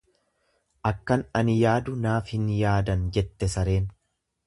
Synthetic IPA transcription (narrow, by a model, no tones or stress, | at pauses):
ʔɐkːɐnɐnɪjaːd̪ʊnaːfhɪnjaːd̪ɐnd͡ʒɛt̪ːɛsɐɾe̞ːn